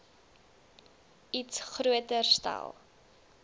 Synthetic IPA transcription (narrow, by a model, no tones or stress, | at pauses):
itsχruətərsta̰lˠ